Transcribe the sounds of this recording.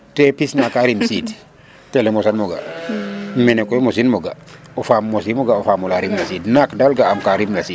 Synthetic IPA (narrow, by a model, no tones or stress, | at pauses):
tɛpisnakaɾimsid | tɛlɛmɔsanmɔɡa̰ | mɛnɛkɔjmosinmoɡaofamːosimɔɡaofamulaɾimlasiːdnakdalɡaamkaɾimlasi